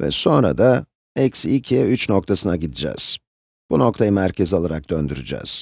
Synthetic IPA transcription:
vɛ̰so̞nɾa̰d̪a | ɛcsicʰeyt͡ʃno̞kt̪ʰasɯnaɟid̪id͡ʒɛ̰ːz̥ | b̥uno̞k̚t̪ʰajɯmæɾcʰezio̞lˠaɾak̚d̪̥ø̞nd̪yɾy̰d͡ʒɛ̰ːz̥

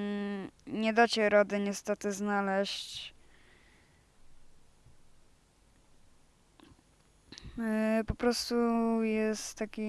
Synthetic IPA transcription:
ɲɛd̪at͡ɕɛɾɔd̪ɘɲɛst̪ɛt̪ɘznalɛɕt͡ɕ | pɔpɾɔst̪ujɛst̪ːakʲi

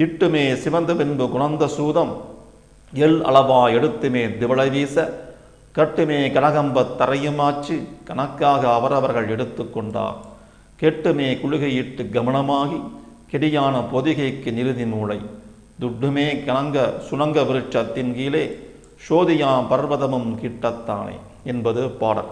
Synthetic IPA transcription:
ɪʈːɯmeːsɪʋɐnd̪ɯpɪnbɯkʊɳɐnd̪ɐsuːðɐm | ɛɭɐ̰ɭɐʋaːɛɽɯt̪ːɯmeːd̪ɪʋɐɭɐʋiːsɐ | kɐʈːɯmeːkɐɳɐɣɐmbɐt̪ːɐɾɐjɯmaːt͡ʃːɯkɐnɐkːaːɣɐːʋɐɾɐʋɐɾɣɐɭɛɽɯt̪ːɯkːɔɳɖa̰ːɾ | kɛʈːɯmeːkʊɻʊɣɐjɪʈːɯɡɐmɐnɐmaːɣi | kɛɽɪjaːnɐpɔðɪɣɐɪkːɯnɪɾɯðɪmuːɭɐɪ | d̪ʊɖːɯmeːkɐnɐŋɡɐsʊnɐŋɡɐʋɪɾɯt͡ʃːɐt̪ːɪnkiːleː | ʃoːðɪjaːpɐɾʋɐðɐmɯmkiːʈːɐt̪ːa̰ːnḛː | ɛnbɐðɯpaːɽɐ̰

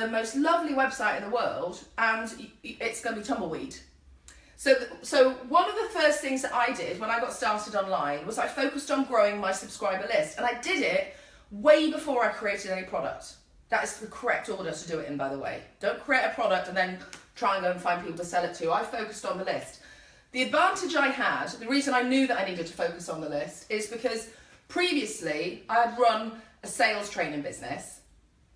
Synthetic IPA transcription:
ɨmoʊstˡlʌvliwɛb̥saɪɾɨ̃nðəwɜ˞lˠdə̃nɪtsɡ̥ʌnəbitʰʌ̃mbl̩ˠwḭd̥ | soʊsoʊwʌ̃nʌvðəfɜˑ˞sθɪ̃ŋzðəɾʔaɪdɪd̚wə̃ñaɪɡɑtstɑ̃ˑsɨɾɑ̃nlãɪ̃nwʌzaɪfoʊkɨstn̩ɡɹoʊɪ̃ŋmaɪsəb̥skɹaɪbə˞lɪstə̃naɪdɪɾɪt̚ | weɪbɪfɔɹaɪkʰɹ̥ieɪɾɨɾɛnipʰɹ̥ɑɾə̰k̚t̚ | ðətɪzðəkʰə˞ɛk̚tɔːɾətʰədəɪtɪ̃nbaɪðəwḛɪd̥õʊ̃nkʰɹ̥ieɪɾəpʰɹ̥ɒɾək̚tə̃nðə̃ntʰɹ̥aɪə̃nɡoʊə̃nfãɪ̃npʰipl̩ˠtʰəsɛlˠɪtʰʉaɪ̥foʊkəstn̩ðəlɪst̚ | ðiɨdvæ̃ˑntɪd͡ʒaɪəd̪ðəɹiːzə̃ñaɪnjʉːðəɾaɪniɾɨd̚tʰə̥foʊkəsn̩ðəlɪstɪzbɨkʰʌz̥ | pʰɹ̥iːviəsliaɪəd̚ɹʌ̃n | əseɪlˠz̥tʰɹ̥ẽɪ̃nɪ̃nbɪznɪ̰s

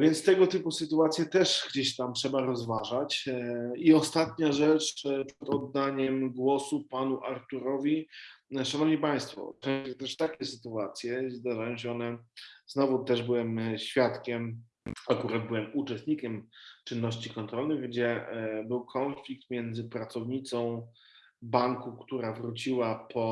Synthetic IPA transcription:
vʲjɛnt̪st̪ɛɡɔt̪ɘpusɘt̪uat̪sʲjɛt̪ɛʂɡd͡ʑeɕt̪amtʂɛbaɾɔzvaʐat͡ɕ | iɔst̪at̪̚ɲaʐɛt͡ʂpʂɛd̪ɔd̪ːaɲɛmɡwɔsupanuʔaɾt̪uɾɔvʲiʂanɔvɲipaj̃st̪fɔ̰t͡ʂɛ̃ɕɛt̪ɛʂt̪akʲɛsɘt̪uat̪sʲjɛzd̪aʐajɔ̃w̃ɕ̬ɛɔnɛznɔvut̪ɛʐbɘwɛmɕfʲjat̪kʲɛm | akuɾad̪̚bɘwɛmut͡ʂɛst̪ɲikʲɛmt͡ʂɨnːɔɕt͡ɕikɔnt̪ɾɔlnɘɣɡd͡ʑɛbɘwkʰɔnflʲik̚t̪mʲjɛnd̪zɘpɾat̪sɔvɲit̪sɔ̃w̃ | baŋkukt̪uɾavɾut͡ɕiwapʰɔ

